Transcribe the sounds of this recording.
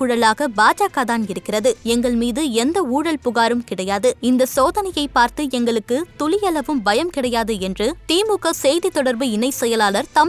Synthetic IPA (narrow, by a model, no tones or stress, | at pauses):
ʊɻɐlaːɣɐbaːd͡ʒaːkɐðaːnɪɾɯkːɪrɐðɯɛŋɡɐɭmiːðɯɛnd̪ɐuːɽɐlpʊɣaːɾɯmkɪɽɐjaːðɯɪnd̪ɐsoːðɐnɐjɐɪpːaːɾt̪ɯɛŋɡɐɭɯkːɯt̪ʊlɪjɐlɐʋɯmbɐjɐmkɪɽɐjaːðɯɛndrɯt̪iːmʊɣɐsɛjðit̪ːɔɽɐɾbɯɪnɐɪsɛjɐlaːlɐɾt̪ɐm